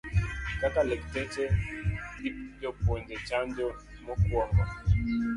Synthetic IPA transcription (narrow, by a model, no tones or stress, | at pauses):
kakalɛktɛt͡ʃɛdidɔpɔnd͡ʒɛt͡ʃand͡ʒɔmɔkwɔmbɔ